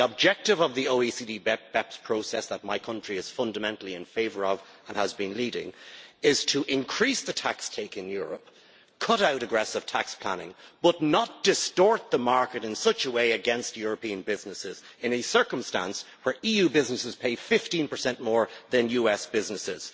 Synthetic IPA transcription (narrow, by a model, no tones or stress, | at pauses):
ðiəb̚d͡ʒɛk̚tɨvʌvðioʊisidibɛb̥ɛpspʰɹ̥oʊsɛsðət̚maɪkʰʌ̃nt͡ʃɹ̥iɨz̥fʌ̃ndəmɛ̃ntˡl̩ˠiɨ̃nfeɪvə˞ʌv | ə̃nəzbɨ̃nliɾɪ̰̃ŋɪz̥tʰəʔɪ̃nkʰɹ̥isðɨtʰækstʰeɪkɨ̃njʊɹə̰p̚ | kʰʌɾaʊɾɨɡɹɛsʌv̥tʰækspʰl̥æ̰nɪ̰̃ŋb̥ʌtⁿnət̚d̥ɨstɔɹt̪̚ðəmɑɹkɨɾɨ̃nsʌt͡ʃəweɪɨɡɛ̃nst̚jʊɹəpĩɨ̃nbɪznɨsɪz | ɨ̃nɨsɜ˞kə̃m̩stæ̰̃ns | wə˞ijʉbɪznɨsɨz̥pʰeɪfɪftĩnpʰə˞sɛ̃nʔmɔɹðɨ̃njuɛsb̥ɪznɨsɪz̥